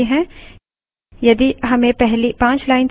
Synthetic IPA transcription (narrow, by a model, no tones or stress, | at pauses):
iɦɛ̃ | jɐd̪iɦɐmẽpɛɦlipãːt͡ʃlaːɪns